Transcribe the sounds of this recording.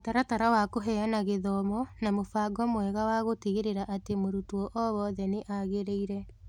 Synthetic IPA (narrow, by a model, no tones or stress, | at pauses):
taɾataɾawakoɦɛanaɣeðɔmɔnamofaːɡɔmoɛɣawaɣotiɣeɾeɾaʔatemoɾutuɔʔɔβɔːðɛneʔaɣeɾeiɾɛ